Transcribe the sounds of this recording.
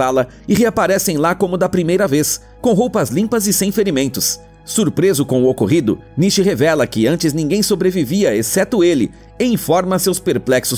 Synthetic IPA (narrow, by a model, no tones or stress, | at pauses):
alɐ | ɪɦeapaɾɛsẽj̃lakõmʊd̪ɐpɾimejɾɐves | kõɦowpɐzlĩpɐzɪsẽj̃feɾimẽnt̪ʊs | suɾpɾezʊkõʊokoɦid̪ʊ̰ | niʃɪɦevɛlɐkɪɐ̃nt͡ʃɪznĩɡẽj̃sobɾeviviɐesɛt̪ʊelɪ̰ | ẽj̃fɔɾmɐsewspeɾplɛksʊs